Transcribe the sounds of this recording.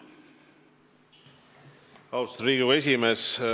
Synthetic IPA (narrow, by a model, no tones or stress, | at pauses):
ɑwst̪riːɡue̞s̬ʲimes